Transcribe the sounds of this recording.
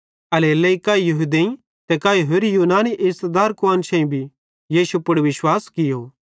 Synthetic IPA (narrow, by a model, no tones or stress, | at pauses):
ɐleːlɐikaːijɐɦud̪eĩ | t̪ɛkaːiɦoːɾijuːnaːniʔɪst̪d̪aːɾkʊaːnt͡ʃʰɛ̃ĩbʱi | jiːʃupʊɽʋɪʃwaːskɪjoː